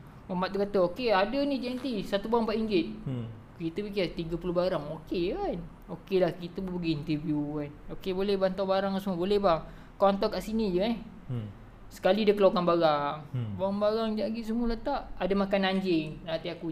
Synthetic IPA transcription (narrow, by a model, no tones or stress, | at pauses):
mamaʔ̪̚ukat̪əokeadənid͡ʒant̪isat̪ubaaŋpaʔiŋɡɪt̪̚ | kit̪əpik̬ɪt̪iɡapulohbaɾaŋokekan | okelahkit̪əbəbəɡiːnt̪əvjukanokebolɛhbant̪awbaɾaŋasməbolɛhbaŋ | kɔant̪akaʔsinid͡ʒəa | sə̥kalidəkəlokanbaɾaŋbaaŋbaɾaŋd͡ʒaɡiʔs̬əmulat̪aʔadamakanaɲd͡ʒɪŋnat̪iaku